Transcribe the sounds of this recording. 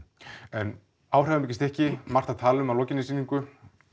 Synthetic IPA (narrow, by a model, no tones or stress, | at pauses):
ɛn | aːwr̥ɛvamecːɪst̪ɛhcɪmar̥t̪aðt̪ʰaːlʏmawlɔːcɪnːɪsiːniŋkʏ